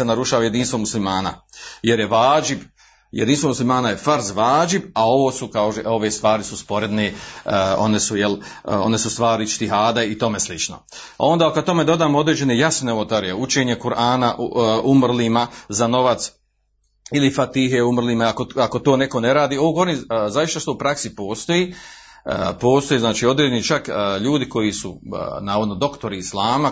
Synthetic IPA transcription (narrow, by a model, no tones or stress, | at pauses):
enaɾuʃaːʋajed̪iːnst̪ʋo̞muslimaːna̰je̞ɾjeʋaːd͡ʒib | jʔḛd̪inst̪ʋo̞muslimaːnajefaɾzʋaːd͡ʒibao̞ʋoːsukaoʒeo̞ʋest̪ʋaːɾisuspo̞ɾe̞d̪ne | o̞̰nesujelo̞̰ne̞sust̪ʋaːɾit͡ʃt̪iɦaːd̪ait̪o̞meslit͡ʃno̰ | a̰o̞nd̪aːkad̪̚t̪o̞me̞d̪o̞d̪aːmo̞d̪ɾeːd͡ʑe̞nejasneot̪aɾijeut͡ʃeːɲekuɾʔaːnaʔumrliːmazano̞ʋat̪s | ilifat̪iːɦe̞umr̩liːmaakoako̞t̪oːneko̞neɾaːd̪iːoʋoːɡooɾinzaʋiʃt̪ast̪opɾaksipo̞ːst̪o̞jḭ | po̞ːst̪ojeːznaːt͡ʃiːo̞d̪ɾeːd͡ʒenit͡ʃakːʎuːd̪iko̞jisṵnaːʋod̪nod̪o̞kt̪o̞ɾiːslaːma